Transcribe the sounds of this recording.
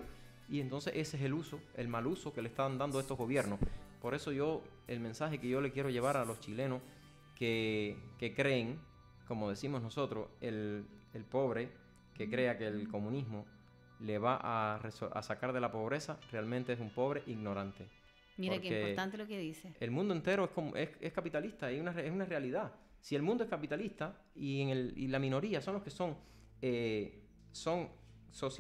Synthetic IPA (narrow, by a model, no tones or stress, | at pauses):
ie̞nt̪o̞nse̞̰ʔe̞sese̞luso̞e̞̰lmalusoke̞lehst̪and̪and̪oe̞st̪oɦɣo̞βje̞ɾnospo̞ɾe̞so̞ʝo̞ | elmẽnsahe̞ke̞ʝo̞le̞kje̞ɾo̞ʝe̞β̞aɾalo̞st͡ʃilẽ̞nos | keke̞kɾe̞ːŋ | ko̞mo̞ðe̞simoɦnoso̞t̪ɾo̞selelpo̞βɾe̞ | ke̞kɾe̞ake̞lko̞mũnizmo | le̞βaʔaresoa̰sakaɾðe̞lapo̞β̞ɾe̞sare̞almẽnt̪e̞esumpo̞β̞ɾe̞ʔiɣno̞ɾãnt̪e̞ | miɾaɾkeieot̪ãnt̪̬elokeðiseelmũnd̪oe̞nt̪e̞ɾoehkomʔehehkapit̪aliht̪aeunareesunare̞aliða | sie̞lmũnd̪oekapit̪aliht̪a | ieŋelḭlamĩno̞ɾiaso̞ŋlo̞hke̞so̞ŋ | e | so̞ŋso̞s